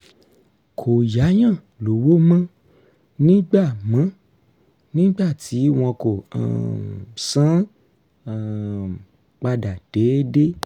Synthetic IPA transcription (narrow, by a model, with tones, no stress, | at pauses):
kʰo˨ja˨˦j̃ã˦˨ | lo˨˦wo˦mã˦ | nĩ˦ɡ͡ba˦˨mã˨˦ | nĩ˦ɡ͡ba˦˨tʰi˨˦w̃ɔ̃˧ko˨a̰˨sã˦˨ | k͡pa˧da˨d̥ɛ˨˦de˦